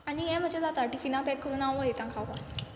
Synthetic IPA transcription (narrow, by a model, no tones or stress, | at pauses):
anijɛ̃m̤ət͡ɕazat̪aʈifinãpɛkʰːəɾuːnãʋoet̪ãŋkʰaʋa